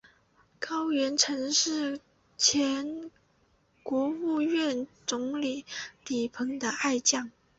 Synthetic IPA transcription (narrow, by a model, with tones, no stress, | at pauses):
kɑ˥ʊɥɛ˧˥nʈ͡ʂʰɤ˧˥ŋʂɻ̩˥˩ | t͡ɕʰjɛ˧˥n | kwɔ˧˥u˥˧ɥɛ˥˩nt͡sʊ˧˥ŋli˨˩li˨˩pʰɤ˧˥ŋd̪ə˧a˥˧ɪt͡ɕjɑ˥˩ŋ